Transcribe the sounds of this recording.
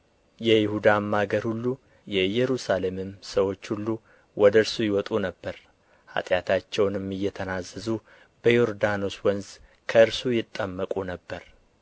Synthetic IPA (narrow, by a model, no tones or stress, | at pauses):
jɛjɪhud̪amːaɡəɾhulːu | jɛɨjːɛɾusale̞mɨmsəwo̞t͡ʃːhulːu | wɔd̪əɨɾsujɪwɔt̪ʼunəbːəɾ | ha̰t̪ʼjat̪ʰat͡ʃːɛwnɨmːɨjːɛt̪ʰənazəzu | b̥əjoɾd̪anoswɔnz | kʰəɨɾsujɪt̪ʼːəmːəkʼunəbːəɾ